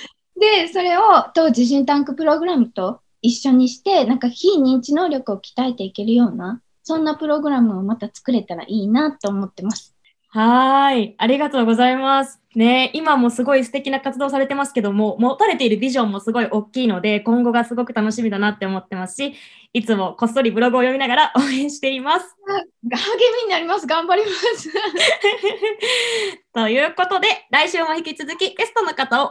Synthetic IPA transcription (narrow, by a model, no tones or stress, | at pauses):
d̪e̞so̞ɾe̞o̞t̪o̞ːʑiʑɨ̃nt̪ãŋkɯ̟pɯ̟ɾo̞ɡɯ̟ɾamɯ̟t̪o̞ | iɕːo̞ɲ̟iɕi̥t̪e̞nãŋkaçiːɲ̟ĩɲ̟t͡ɕino̞ːɾʲo̞kɯ̟o̞kʲi̥t̪ae̞t̪e̞ike̞ɾɯ̟jo̞ːna | sõ̞nːapɯ̟ɾo̞ɡɯ̟ɾamɯ̟omat̪at͡sɨ̥kɯ̟ɾe̞t̪aɾa̰ʔiːnat̪ːo̞ːmo̞t̪ːe̞masɨ̥ | haiaɾʲiɡat̪o̞ːɡo̞zaimasɨ̥ne̞imamo̞sɨɡo̞isɨ̥t̪e̞kʲinakat͡sɨd̪o̞ːs̬aɾe̞t̪e̞masɨ̥ke̞d̪o̞mo̞mo̞t̪aɾe̞t̪e̞iɾɯ̟bʲiʑõ̞mːo̞sɨɡo̞iʔo̞kʲːiːno̞d̪e̞kõ̞ŋɡo̞ɡasɨɡo̞kɯ̟t̪ano̞ɕimʲid̪anat̪ːe̞omo̞t̪ːe̞masɨ̥ɕi | it͡sɨmo̞ko̞so̞ɾʲibɯ̟ɾo̞ɡɯ̟ojo̞mʲinaɡaɾaʔoːẽ̞ɕi̥t̪e̞imasɨ̥ɡaaɡemʲiɲ̟inaɾʲimasɨɡãmbaɾʲimasɨ | t̪o̞jɯ̟ːko̞t̪o̞d̪e̞ɾaiɕɨːmo̞çikʲit͡sɨzɨkʲiɡe̞sɨ̥t̪o̞no̞kat̪ao̞